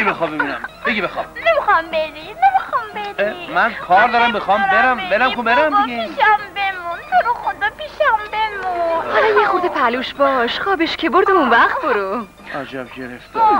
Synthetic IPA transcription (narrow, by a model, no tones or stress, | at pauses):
ibexɒːbemunæmbeɡibexɒb̥̚nemixɑjmbed̪inemixɒjmbed̪emænkʰɒːɾd̪ɒɾæmbexɒmbeɾæmbeɾæmkʰobeɾæmd̪iɡeʃæmbemunt̪ʰoɾoxod̪ɒːpiʃæmbemuuhɒlɒmjexuɾd̪epʰæluːʃbɒːʃχɒːbeʃcʲʰeboɾd̪eũnvæχt̪̚boɾu | ʔæd͡ʒæb̚ɟeɾeft̪e